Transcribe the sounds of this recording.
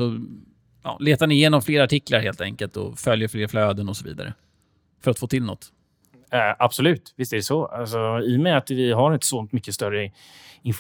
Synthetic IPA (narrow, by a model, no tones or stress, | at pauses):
sɔ | ɑ̰ːleːt̪anɪjeːnɔmfleːɾaʈɪklaɾheːlt̪ʰɛ̰ŋkəlt̪ɔ̰fœljəɾfleːɾfløːd̪ənɔsɔvḭːd̪a̰ɾə̰ | fœɾat̪foːt̪ʰɪlːnɔ̰t̪ː | ʔab̥sɔlʉ̟ːt̪vɪst̪ɛɖɛsɔalsɔɪjmɛat̪vɪɦaɾɪnt̪ə̥sɔnt̪mʏkːəst̪œɾə | ɪnf